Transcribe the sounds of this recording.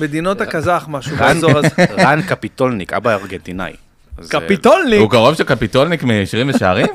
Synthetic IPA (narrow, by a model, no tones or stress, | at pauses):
med̪inot̪akazaχmaʃuanankapit̪olnika̰baaʁɡent̪ina̰j | kapit̪olniukaʁo̞vʃekapit̪olnikmiʃʁimvemʃaaʁim